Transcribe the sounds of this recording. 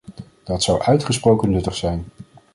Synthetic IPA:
d̥ɑtsɑwʔœɥtχəsprowkənːɵtəχsɛjn

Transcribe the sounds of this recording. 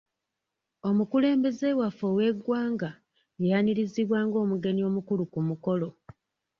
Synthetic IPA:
o̞mukule̞ːmbe̞ze̞ːwafowe̞ɡwaːŋɡa | janiɾiziβwaːŋɡo̞ːmuɡe̞nio̞ːmukulukumuko̞lo̞

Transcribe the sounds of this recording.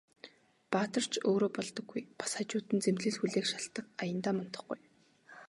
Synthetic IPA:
paːt̪ə̆r̥t͡ɕʰoːɾoːpɔɮt̪ɞ̆ɡːujpḁsχat͡ɕʊːt̪ɘ̆nt͡semɮɘ̆ɮxuɮeːkʃaɬt̪ə̆k̚ajə̆nt̪aːmɔn̥t̪ɞ̆χɡuj

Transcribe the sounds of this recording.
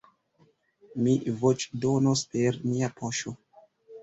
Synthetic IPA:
mivot͡ʃdonospe̞ɾmiapʰoʃo

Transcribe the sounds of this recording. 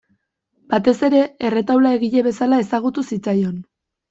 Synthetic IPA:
bat̪e̞se̞ɾe̞ere̞t̪awlae̞ɣiʎe̞βe̞salae̞saɣ̞ut̪usit͡sajo̞n

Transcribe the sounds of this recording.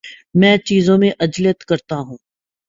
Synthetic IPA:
mɛ̃ːt͡ʃiːzõmẽʔɐd͡ʒlijət̪kɐɾt̪aɦũː

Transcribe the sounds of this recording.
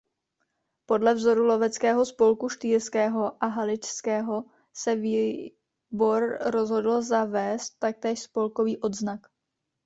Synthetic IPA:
po̞dlɛvzo̞ɾulo̞vɛt͡skɛːɦo̞spo̞lkuʃt̪iːɾskɛːɦo̞ʔaɦalɪt͡ʃskɛːɦo̞ | sɛviː | bo̞ɾɾo̞zɦo̞dl̩zavɛːst̪ːak̚t̪ɛːʃspo̞lko̞viːʔo̞d̪znak

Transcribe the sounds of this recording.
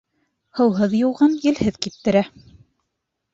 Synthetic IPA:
hɤ̆wɦɤðjŭwˠʁɑnjɘ̆lhɘðkipt̪ːɘ̆ɾæ

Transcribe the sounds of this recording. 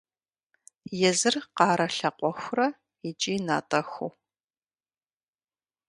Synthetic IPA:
jɛzɨrqɑːɾɐɬɐqʷʼɔxʷʊrɐ | it͡ʃʼiːna̰ːtʼɐxu

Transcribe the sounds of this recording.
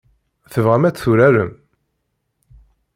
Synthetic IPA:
θəvʁæmæt͡sːθuɾæɾə̰m

